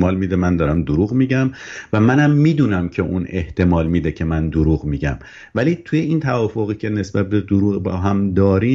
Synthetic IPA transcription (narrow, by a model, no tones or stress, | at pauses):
mɒːlmid̪emænd̪ɒːɾæmd̪oɾuːɣmiːɟæmvæmænæmːiːd̪uːnæmcʰe̞ʔune̞ht̪ʰe̞mɒːlmiːd̪ecʰe̞mænd̪oɾuːɣmiːɟæm | væliːt̪ʰuːjeint̪ʰævɒːfoɣiːcʰene̞sb̥æt̪̚be̞d̪oɾuːɣbɒɦæmd̪ɒːɾi